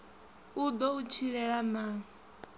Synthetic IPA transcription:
ud̪ɔut͡ʃʰiɺɛɺana

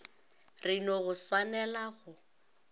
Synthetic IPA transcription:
rɪnɔɣʊswanɛlaɣʊ

